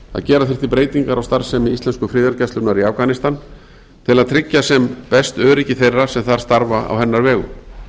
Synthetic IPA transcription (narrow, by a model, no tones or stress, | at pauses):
θa̰ðcɛːɾaθɪr̥t̪ɪpɾeːjt̪iŋkaɾawst̪aɾ̥sɛmɪist̪ɛnskʏfɾɪːðaɾcɛst̪ʏpnaɾiafɣanɪst̪an | t̪ʰɪlaðt̪ʰɾɪcːasɛmpɛst̪œːɾɪcɪθejrːasɛmθaɾ̥st̪aɾvaa̰whɛnːaɾvɛːɣʏ̰m